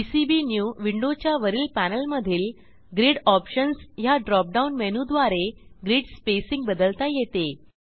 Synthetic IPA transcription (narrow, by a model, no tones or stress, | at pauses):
isibinjuːʋiɳɖot͡ɕjaʋəɾiːlpænəlməd̪ʱiːl | ɡɾiɽɔpɕənsjaɖɾɔp̚ɖaunmenud̪ʋaɾeɡɾiːɽspesiŋɡ̚bəd̪əlt̪ajet̪e